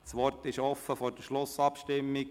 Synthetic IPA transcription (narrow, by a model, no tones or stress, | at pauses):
sʋɔrtɪʃɔfːəfɔɾd̥əʃlʊsɑpʃtɪmːik̚